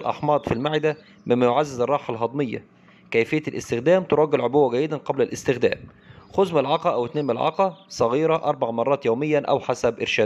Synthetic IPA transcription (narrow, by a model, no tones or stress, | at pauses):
lʔɑ̰ħmɑːd̪ˤfilmaʕɪd̪æ | mɪmːæjoʕazːɪzɑrˤːɑːħɑlɦɑd̪ˤmɪjːæ̰ | kæjfɪjːælʔɪ̰st̪ɪxd̪æːmt̪oɾˤɑːɡɪlʕobʊwːæɡæjːɪd̪ænqɑblælʔɪst̪ɪxd̪æ̰ːm | xʊzmɪlʕɑqɑʔæwɪt̪neːnmlʕɑ̰qɑsˤɑɣiːɾɑʔɑɾˤbɑʕmɑrˤːɑːt̪joːmɪjːænʔæ̰wħasæbʔɪɾʃæːd̪